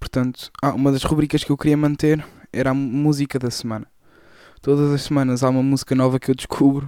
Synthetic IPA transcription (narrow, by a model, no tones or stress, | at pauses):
puɾt̪ɐ̃nt̪u̥aʔumɐðɐʃʁuβɾikɐʃkewkɾiɐmɐ̃nt̪eɾɛɾamuzikɐðɐsmɐ̃nɐ | t̪oðɐzɐʃsɨmɐ̃nɐzaumɐmuzikɐnɔvɐkewd̪ʃkʰuβɾu